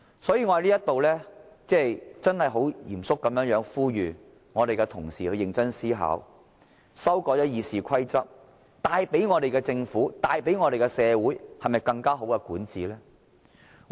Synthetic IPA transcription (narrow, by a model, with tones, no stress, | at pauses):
sɔː˨˥jiː˧ŋɔː˧˥˧liː˥ɐ˥t̪o˨wlɛː˥t͡sɛː˥˩jt͡sɐ˥nhɐ˨jɦo˨˥wjiː˨˩msʊ˥kːɐ˨˥mjœː˨˧˥ŋjœː˨˥ŋfuː˥jyː˨ | ŋɔː˨˧ɾe˨jkɛ˧t̪ʰʊ˨˩ŋsḭː˨hɵ˨˧ɥjɪ˨˧ŋt͡sɐ˥nsiː˥ɦa̰ː˨˥w | sɐ˥wkɔː˧jɐ˥jiː˨˧siː˨kʷʰɐ˥jt͡sɐ˥p̚ | t̪aː˨˧jpe˨˥jŋɔː˨˧ɾe˨jkɛː˧t͡sɪ˧ŋfuː˨˥t̪aː˨˧jpe˨˥jŋɔː˨˧ɾe˨jkɛ˧sɛː˨˧wuː˨˥jhɐ˨jmɐ˨jkɐ˧ŋkaː˥ɦo˨˥wkɛ˧kuː˨˥nt͡siː˨lɛː˥